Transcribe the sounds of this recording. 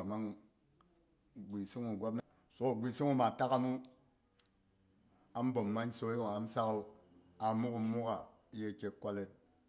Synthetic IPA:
a˨ma˦ŋ | ɡʷi˨si˦ŋu˨ɡʷa˦p̚n˦˨so˦˨ɡʷi˨si˦ŋu˦ma˨ta˦ka˦mu˦ | a˦m̩˦bo˨m̩ː˨a˦n˦so˦e˦jo˨ŋa˨n̩˦sa˦ko˦ | a˨mu˦ku˦mu˦ka˨˦ | je˦˨kʲe˨˦kʷa˦le˦t̚

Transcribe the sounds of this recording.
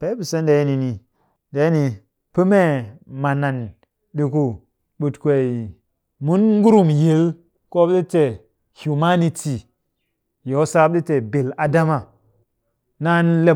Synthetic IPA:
pe˨˦bi˨se˦nda˨jni˨ni˨ | da˨˦ni˨ | pɨ˦me˦ma˨na˨n | ɗi˨ku˦ | ɓu˨tkʷe˨i˨ | mu˦nŋɡu˦ɾu˦mje˨˦l | ko˦ɗi˦te˨ | hu˨ma˦ni˨ti˨ | jo˨wsa˦b̚ɗi˦te˨bi˨la˨da˦ma˨ | na˦n˦le˦

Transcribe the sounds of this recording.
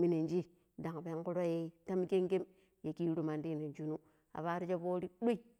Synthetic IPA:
mi˦ne˨nd͡ʒi˦ | da˨ŋ˨pe˦ŋku˦ɾo˦je˦ta˦m˦ke˦ŋɡe˦m | je˨ki˦ɾu˨ma˨ndi˦ne˨nd͡ʒu˦nu˦ | a̰˨βa˦ɾi˦d͡ʒe˦bo˦ɾi˦ɗu˦i˦

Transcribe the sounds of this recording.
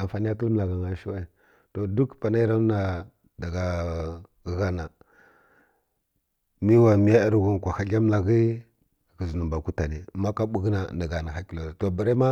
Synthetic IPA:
a˨fa˨ni˦ja˦tu˦lm˨la˨ɡa˨ŋa˨ʃi˦wa˦˨ | to˨du˦kpa˨na˦i˦ɾa˦na˨ | da˨ɡa˨ | ɣa˦na˨ | mi˦wa˨mi˦ja˦i˦ɾɡu˦n˨kʷa˨xa˨ɬa˦m˦la˨ɡi˦˨ | ki˨znu˨mba˨ku˦ta˨ni˨ma˦ka˦ɓu˨ɡna˨na˨ɡa˨na˨xa˦ki˦lo˨to˨bi˨ɾa˦ma˦

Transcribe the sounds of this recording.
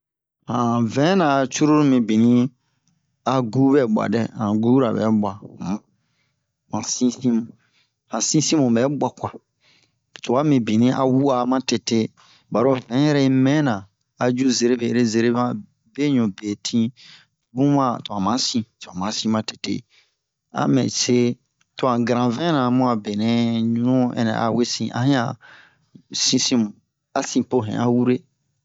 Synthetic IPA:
hã˨vɛ̃˨˦nã˨t͡ʃu˦ɾo˦ɾu˦mĩ˨bĩ˨nĩ˦ | a˨ɡu˦bɛ˨ɓʷa̰˨dɛ˦˨hã˨ɡu˦ɾa̰˨bɛ̰˨˦bʷa˨m˨ | mã˨sĩ˦sĩ˦mũ˨ | hã˨sĩ˦sĩ˦mũ˨bɛ˨˦bʷa˨kʷa˨ | tu˨a˦mĩ˨bĩ˨nĩ˦ʔa̰˨wu˦a˨mã˦te˨te˦ | ba˨ɾo˦vɛ̃˨˦jɛ˦ɾɛ˦i˧˦mɛ̃˦nã˨ | a˨d͡ʒu˦ze˨ɾe˦be˨ɾe˦ze˨ɾe˦ã˦ | be˦ɲũ˨be˨tʰĩ˦ | bũ˦mã˦˨tu˨ã˨mã˨˦sĩ˨tu˨ã˨mã˨˦sĩ˦mã˨te̥˨tḛ˦˨ | a̰˦mɛ̰̃˨se˦ | tũ˦ã˨ɡa˨ɾã˨vɛ̃˦nã˨mũ˦ã˨be˨nɛ̃˨˦ɲũ˦nũ˦ɛ̰˨nɛ̰̃˨ʔa̰˨we˦sĩ˨ʔa̰˦hĩ˦ã̰˨ | sĩ˦sĩ˦m˨ | a˨sĩ˨po˦˨ɦɛ̰̃˨a˦wu˦ɾe˦

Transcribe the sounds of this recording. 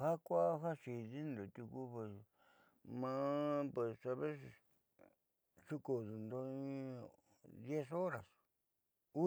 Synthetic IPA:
ha˦kʷa˦ɦa˦ʂi˨ði˦nd̪o˨t̪u˧ku˧pe˨s | mã˦˧pwe˨ssa˧βe˦s | ʂu˦ko˨ðu˨nd̪o˧ĩ˧ | d̪je˦so˦ɾa˨s | u˦

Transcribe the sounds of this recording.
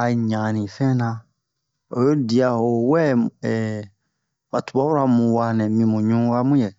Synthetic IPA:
a˨ɲã˨nĩ˨fɛ̃˦nã˧ | o˨jo˦di˨a˧˨ho˨wɛ˦ɛ˨ | ba˨tu̥˨ba˦wu˦ɾa˧mũ˨wa˧nɛ̃˨mĩ˧mũ˨ɲũ˦wa˦mũ˦jɛ˨

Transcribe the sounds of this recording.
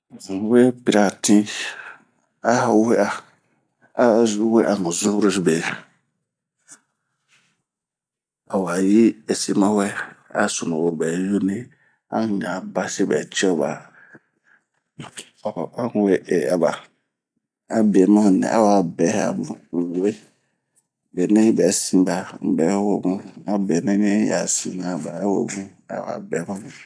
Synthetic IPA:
ʊ˨˦we˦pi˨ɾa˨tʰĩ˦ | a˦a˨we˦a˨˦ | we˦ʔa˨nʊ̃˨zʊ̃˦ɾo˦be˨ | a˨wa˨ji˦ɛ˨si˦mã˦wɛ˦a̰˦sʊ˨nʊ̃˨wo˨bɛː˨jo˦nĩ˦ | ã̰˦n˦ɲã˨ba˦sɪ˦bɛ̰˨t͡ʃɔ˦˨ba̰˨ | ɔ˨a˦ŋ˦we˦ʔɛ˨a˨ba˨ | a˦bɛ˨˦mã˦˨nɛ̰̃˨ʔa̰˦wa˨bɛ˨˦a̰˨bʊ̃˨we˦˨ | bɛ˨nã˦i˦bɛ˨˦sĩ˦ba˨m̩˨bɛ˨˦wo˦mʊ̃˦a˦bɛ˨nã˦ɲɛ̃˦ja̰˨sĩ˨nã˨ba˨˦wo̰˨bũ˦a̰˦wa̰˨bɛ˨˦mã˦mʊ̃˦

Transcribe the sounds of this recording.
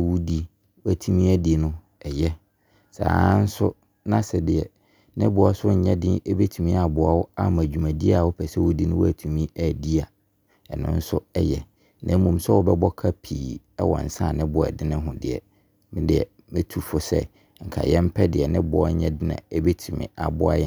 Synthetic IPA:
wu˦di˦ | wæ˨tʰu˦mĩ˦æ˦di˨nʊ̃˦ | ɛ˨jɛ˦ | sa̰ː˨˦n̩˦sʊ˦ | nã˦sɪ˨dɪ˨ɛ˨ | nɪ̃˦bʊ˨˦a˦sʊ˦ɲ̩˦ɲɛ̃˦dɪ̃˦ɛ˦be˦tʰu˨mĩ˦a˨bʊ˨a˨wʊ˦a̰˦m˨æ˨d͡ʑᶣu˨mã˨di˦a˨wʊ˦pʰɛ˨sɛ˦wʊ˦di˦nʊ̃˦wæ˨tʰu˨mĩ˦æ˨di˦a˨ | ɛ˨nʊ̰̃˦n̩˦sʊ˦ɛ˦jɛ˨ | nã˨˦mũ˨m˦sɛ˦wɔ˦bɛ˦bɔ˦kʰa˦pʰiː˨ | ɛ˦wɔ̰̃˨n̩˨sã˦˨nɪ̃˦bʊ˦ɛ̰˨dɪ˦nɪ̃˦ɦʊ̃˨dɪ̰˨ɛ̰˨ | mɪ̃˦dɪ˨ɛ̰˨ | mɪ̃˦tʰu˨fɔ˦sɛ̰˦ | ŋ̩˨kʰa̰˨jɛ̃˦m̩˦pʰɛ˦dɪ˨ɛ˨nɪ̃˦bʊ˦ɔ˦ɲɛ̃˦dɪ˦nã̰˨ɛ˦be˦tʰu˨mɪ̰̃˨a˨bʊ˦a̰˦jɛ˦

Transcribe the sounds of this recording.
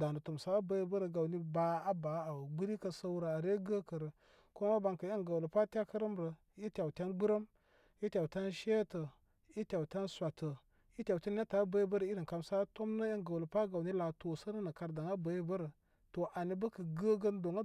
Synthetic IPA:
da˨nə˨tu˨msa˦a˦bə˦jbə˦ɾə˨ɡa˨wni˦ba˨˦a˦ba˨˦a˨wɡ͡bə˦ɾi˦kə˦˨sə˦wɾa˨a˨ɾe˦ɡə˦kə˨ɾə˨ | ko˦ma˦ba˨ŋkə˨jə˦ŋɡa˨wlə˨pa˦tʲa˦kə˦ɾə˦mɾə˨ | i˦tʲa˨wtʲa˦nɡ͡bə˦ɾə˦m | i˦tʲa˨wtʲa˦nʃe˦tə˨ | i˦tʲa˨wtʲa˦nsʷa˨tə˨ | i˦tʲa˨wtʲa˦n˦ja˦ta˨˦bə˦ji˦bə˦ɾə˨i˦ɾə˨ka˨msa˦to˦mnə˦jə˦ŋɡa˨wlə˨pa˦ɡa˨wni˦la˨to˨sə˦nə˦nə˨ka˨ɾda˨ŋa˦bə˦ji˦bə˦ɾə˨ | to˨ʔa˨ni˦bə˦kə˨ɡə˦ɡə˦ndo˨ŋa˦

